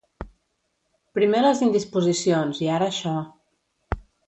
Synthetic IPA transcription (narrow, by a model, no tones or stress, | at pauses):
pɾimeləzind̪ispuzisionziaɾəːʃɔ